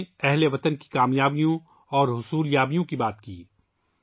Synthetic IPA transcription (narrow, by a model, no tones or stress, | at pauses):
ɛɦleʋɐt̪ənki̥kaːmjaːbijõ | ɔːɾɦʊsuːljaːbijõkibaːt̪kiː